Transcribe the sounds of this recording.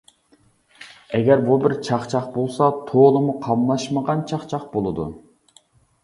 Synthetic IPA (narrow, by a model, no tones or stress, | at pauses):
ɛɡʲɛɾbubɪɾt͡ʃʰɑχt͡ʃʰɑχbolˠsɑt̪ʰolˠɨmuqʰɑmlˠɑʃməʁɑnt͡ʃʰɑχt͡ʃʰɑχbolˠɨd̪ṵ